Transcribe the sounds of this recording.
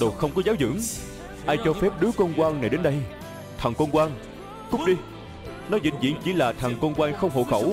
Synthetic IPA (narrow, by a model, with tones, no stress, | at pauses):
ɗo˨˩t̚xə˧wŋ͡mkɔ˨˦zaː˨˦wzɨ̰˧˥əŋ | ʔaː˧jt͡ɕɔ˧fɛ˦˥p̚ɗɨ˨˦əko˧nkwaː˧nna˨˩jɗe˨˦nɗə˧j | t̪ʰə˨˩ŋko˧nkwaː˧n | kʊ˦˥k͡p̚ɗi˧ | nɔ˨˦zḭ˧˨ŋzḭ˧˥ənt͡ɕḭ˧˩laː˨˩t̪ʰa˨˩ŋko˧nkwaː˧nxə˧wŋ͡mɦo̰˧˨xə˧˩w